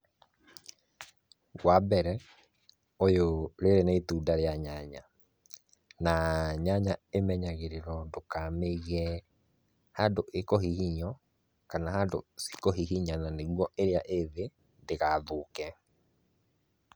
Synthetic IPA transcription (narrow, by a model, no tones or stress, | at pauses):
wabɛɾɛ | ojoɾeɾeneituːdaɾeaɲaɲa | naɲaɲaemɛɲaɣeɾeɾɔdokameɣɛ | hadoʔekɔɦihiɲɔ | kanaɦado̰si̥kɔɦiɦiɲananeɣwɔʔeɾeaʔeðe | ndeɣaːðoːkɛ